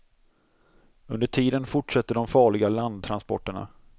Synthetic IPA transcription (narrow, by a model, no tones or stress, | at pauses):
ɵnd̪əʈʰiːd̪ənfʊʈʂat̪ːəɖɔmfɑːɭɪɡaland̪̚t̪ʰːɾanspɔ̰ʈːəɳa̰